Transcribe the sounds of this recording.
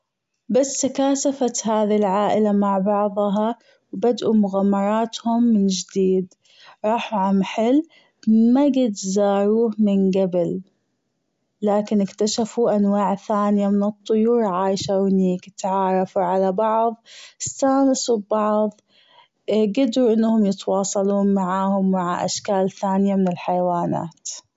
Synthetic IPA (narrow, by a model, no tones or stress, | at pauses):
basːakaːʃafat̪ɦaːðilʕaːʔɪlamaʕbɑʕðˤɦɑ | wbad̪ʔumʊɣamːɑɾˤɑːt̪hʊmːɪnd͡ʒɪd̪iːd̪ | ɾˤɑːħuʕamħɪl | maɡɪd̪zɑːɾuːhmɪnɡabɪl | aːkɪnɪkt̪aʃafuʔanwaːʕθaːnɪjamɪnɨt̪ˤːʊjuːɾʕaːjʃawniːkt̪ʕɑːɾˤɑfuʕalabɑʕðˤɪsaːnɪsubɑʕðˤ | ɡɪd̪ɾuʔɪnːhʊmjɪt̪wɑːsˤɑluːnmaʕaːhʊmːaʕa̰ʔa̰ʃkaːlθaːnɪjamɪnɪlħajawaːna̰ːt̪